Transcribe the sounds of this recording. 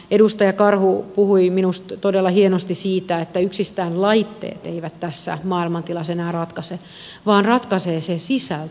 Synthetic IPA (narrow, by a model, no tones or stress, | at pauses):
edust̪ɑjɑkɑrhupuhuiminust̪t̪odelːɑhienost̪isiːt̪æet̪ːæyksist̪æːnlɑit̪ːḛːt̪eiʋæt̪t̪æsːæ̰mɑːilmɑnt̪ilɑsenæːrɑt̪kɑse | ʋɑːnrɑt̪kɑseːsesisælt̪